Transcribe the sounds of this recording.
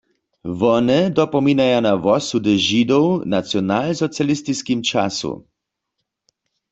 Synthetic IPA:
ʋɔnɛd̪ɔpɔminajanaʋɔsud̪ɛʒid̪ɔwnasjɔnaːlsɔsjalist̪iskimt͡ʃa̰sṵ

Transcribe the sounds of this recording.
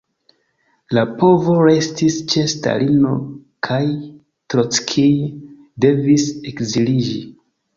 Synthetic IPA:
lapo̞vo̞ɾe̞stist͡ʃe̞sta̰lʔino̞̰kʰaj | tɾot͡skʰij | de̞visekzilid͡ʒi

